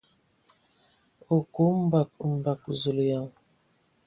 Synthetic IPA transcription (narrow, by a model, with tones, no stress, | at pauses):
o˨ko˨˦m̩˦ba˨k̚m̩˨ba˨k̚zo˨lja˨ŋ